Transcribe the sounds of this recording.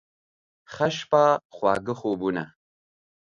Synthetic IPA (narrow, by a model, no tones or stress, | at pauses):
χɐʃpaːχwa̰ːɡəχobunɐ̰